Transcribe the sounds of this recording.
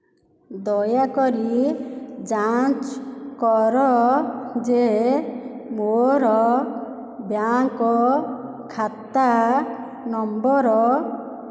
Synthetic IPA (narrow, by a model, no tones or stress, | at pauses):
d̪ɔjakɔɾi | d͡ʒat͡ʃkɔɾɔ | d͡ʒe | moɾɔ | bjaŋkɔ | kʰat̪a | nɔmbɔɾɔ